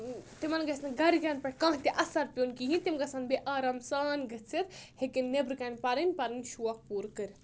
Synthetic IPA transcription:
t̪imɐnɡɐsnɨɡɐɾikanpɐʈ̚ʰʲkãːɦt̪ʲiʔɐsɐɾpʲonkiɦĩnt̪imɡɐsanbeʔaːɾɐmsaːnɡɐt͡sʰit̪hekinːebɾɨkɐnʲpɐɾinʲpɐɾɨnʲʃuɐk̚puːɾkɨɾ

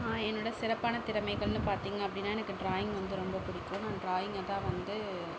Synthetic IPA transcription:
aːɛnːɯːɽɐsɪɾɐpːaːnɐt̪ɪɾɐmɐɪɣɐɭnːɯpaːɾt̪iːŋɡɐɐpːɐɽɪnːaːɛnɐkːɯɖɾaːjɪŋɡʋɐnd̪ɯɾɔmbɐpʊɽɪkːõnãːɖɾaːjɪŋɡɐðãːʋɐnd̪ɯ

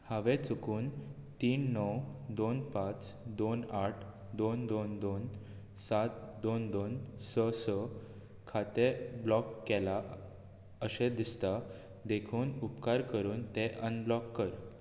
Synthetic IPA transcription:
haʋet͡sukuːnt̪iːnːəwd̪onpãt͡sd̪onaʈʰ | d̪ond̪ond̪on | sat̪̚d̪ond̪onsəsə | kʰat̪eblɔkːɛla | əsed̪ist̪a | d̪ekʰuːnupkaɾkəɾuːnt̪eʔənblɔkːəɾ

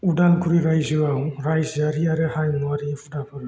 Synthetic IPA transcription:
udankʰuɾiɾajziawɾajziaɾiaɾɛhajmuaɾifudapɔɾ

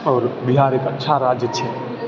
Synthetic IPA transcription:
ɔːɾbɪɦaːɾekətːʃʰaɾaːd͡ʒjət͡ʃʰe

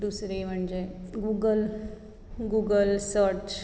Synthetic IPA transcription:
usɾim̤əɳd͡ʑeɡuɡəl | ɡuɡəlsəɾt͡ʃ

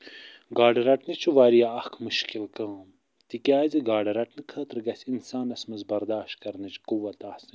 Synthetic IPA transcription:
ɡaːɖɐɾɐʈnɨt͡ʃʰuʋaːɾijaɐkʰmuʃkilkɐ̃ːm | t̪ikʲaːziɡaːɖɐɾɐʈnɨkʰɐːt̪ɾɡɐsʲinsaːnɐsmɐzbɐɾd̪aːʃt̪̚kɐɾnɨt͡ʃʰkuwɐt̪aːhsi

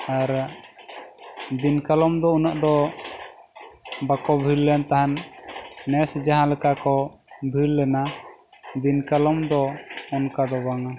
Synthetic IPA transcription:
aɾ | d̪inkalɔmd̪ɔunaʔd̪ɔ | bakɔbʱilːɛnt̪aɦanː | ɛsd͡ʒaɦãlɛkakɔbʱilːɛna | d̪inkalɔmd̪ɔːnkad̪ɔbaŋa

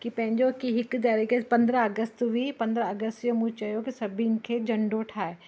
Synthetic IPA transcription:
kipɐ̃ɦɪ̃ɲd͡ʒokiɦɪkd̪aːɾikepɐ̃nd̪ɾəɐɡəst̪ʋipɐ̃nd̪ɾəɐɡəst̪jəmũt͡ʃɐjokisɐbʱiɪn̆kʰed͡ʒɐɳɖoʈʰaːe

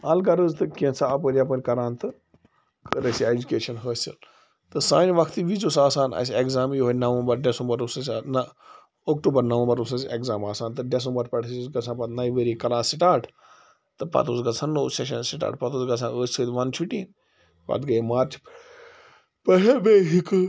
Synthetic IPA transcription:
ɐlɡɐɾəzt̪ɨkĩt͡sʰaɐpəɾʲap̬əɾʲkɐɾaːnt̪ɨ | kəɾɐsied͡ʒukeːʃɐnɦəːsḭl | t̪ɨsaːnʋɐkʰt̪iʋit͡ʃosaːsaːnɐ̰sekzaːmjiɦonɐʋɐ̃mbɐɾɖesũmbɐɾusɐsnɐ | oːkʈuːbɐɾnɐʋɐ̃mbɐɾusɐsʲeɡzaːmaːsaːnt̪ɨɖes̬ɐ̃mbɐɾpɐʈʰisɡɐsʰãːpɐt̪najiʋeɾiːkɐlãːsiʈaːɾʈʰ | t̪ɨpɐ̰t̪uːsɡɐsʰãnːoːseʃ̬ɐnsiʈa̰ːʈpɐt̪uːsɡɐsʰãːəːssʰəːt̪ʲʋɐnt͡ʃʰuʈiːn | pɐ̰t̪ɡɐimaːɾt͡ʃ | pəɦebeːɦikɨ

